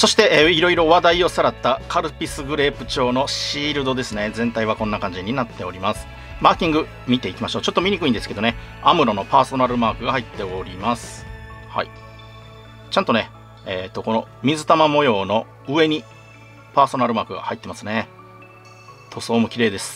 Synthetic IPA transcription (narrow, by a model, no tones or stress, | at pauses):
so̞ɕi̥t̪e̞ʔːiɾo̞iɾo̞βad̪aio̞saɾat̪ːakʰaɾɯ̟pʲisɨɡɯ̟ɾe̞ːpɯ̟̥t͡ɕo̞ːno̞ɕiːɾɯ̟d̪o̞d̪e̞sɨne̞zẽ̞nt̪aiβ̞akõ̞nːakãɲ̟d͡ʑiɲ̟inat̪ːe̞o̞ɾʲimasɨ̥ | maːkʲĩŋɡɯ̟ | mʲit̪e̞ikʲimaɕo̞ːt͡ɕo̞t̪ːo̞mʲiɲ̟ikɯ̟ĩnd̪e̞sɨ̥ke̞d̪o̞ne̞amɯ̟ɾo̞no̞paːso̞naɾɯ̟maːkɯ̟ɡahait̪ːe̞oɾʲimasɨ̥ha̰i | t͡ɕãnt̪o̞ne̞ | et̪ːo̞ko̞no̞mʲizɨt̪amamo̞jo̞ːno̞ | ɯ̟e̞ɲ̟i | paːso̞naɾɯ̟maːkɯ̟ɡa̰hait̪ːe̞masɨne̞ | t̪ʰo̞soːmo̟kʲiɾe̞ːd̪e̞sɨ̥